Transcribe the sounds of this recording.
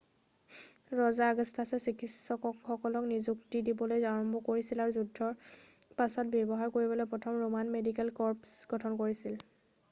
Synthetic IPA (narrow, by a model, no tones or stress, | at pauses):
ɹɔzaɡɔstʰasɛsikʰitsɔkɔkxɔkɔlɔknizuktidibɔlojzaɹɔmbɔkoɹisilaɹuzudʱːɔɹpasɔt̚bjɔbɔɦaɹkoɹibɔlojpɹɔtʰɔmɹomanmedikɛlkɔɹpsɡʱɔtʰɔnkoɹisil